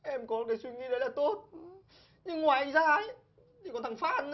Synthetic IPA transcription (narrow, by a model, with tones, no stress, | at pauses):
ʔɛ˧mkɔ˨˦m̚˨kaː˨˦swi˧ŋḭ˧˦ɗə˨˦jlaː˨˩t̪o˦˥t̚ | ɲɨ˧ŋːwaː˨˩jʔa˧ŋzaː˧˩ə˦ | i˨˩kɔ˨˦nt̪ʰa˨˧˩ŋfaː˧˩ʔə˧n